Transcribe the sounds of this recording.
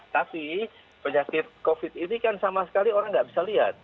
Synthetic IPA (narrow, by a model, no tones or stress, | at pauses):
t̪api | pəɲakɪt̪̚kofɪt̪̚inikansamasə̥kalioɾaŋɡaʔbisaliɦat̪̚